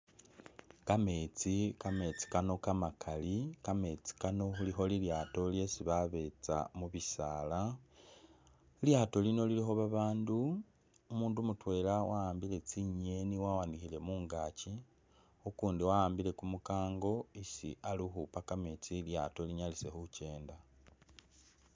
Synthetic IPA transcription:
kame̞t͡sikame̞t͡si̥kano̞kamakʰalikame̞t͡si̥kano̞xulixo̞liljaːto̞lje̞siβaβe̞t͡sa̰muβisaːla | ljaːto̞lino̞lilixo̞βaβaːndu | umuːndumutwe̞ːlawajaːmbile̞t͡siɲe̞niwawanixile̞muːŋɡaːci | ukuːndiwajaːmbile̞kumukaːŋɡo̞isḭʔalixupakame̞t͡silja̰to̞liɲalise̞xuce̞ːnda

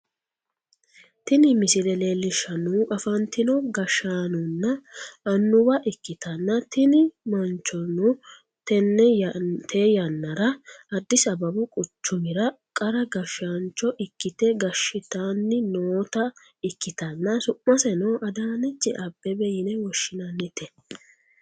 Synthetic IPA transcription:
t̪ɪnɪmɪsɪlɛle̞ːlːɪʃːɐnuʔɐfɐnt̪ɪnɔɡɐʃːaːnʊnːɐɐnːʊwɐʔɪkːɪt̪ɐnːɐt̪ɪnɪmɐnt͡ʃːɔnʊ | t̪ɛnːɛt̪ʰeːjɐnːɐɾɐɐd̪ːɪsɐbɐbʊkʼʊt͡ʃːʊmɪɾɐ | kʼɐɾɐɡɐʃaːnt͡ʃɔʔɪkːɪt̪ɛɡɐʃːɪt̪aːnːɪnoːt̪ɐ | ɪkːɪt̪ɐnːɐsʊʔːɐsɛnɔʔɐd̪aːnɛt͡ʃːɛʔɐbːɛbɛjɪnɛwɔʃːɪnɐnːɪt̪ɛ

